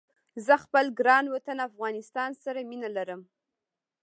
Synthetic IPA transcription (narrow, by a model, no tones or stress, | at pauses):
zəxpəlɡɾɑnwat̪anafɣɑnɪst̪ɑnsaɾaminalaɾəm